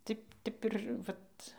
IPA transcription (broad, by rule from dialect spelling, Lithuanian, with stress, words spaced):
ˈtʲɪ ˈtʲɛp ɪr ˈʋɐt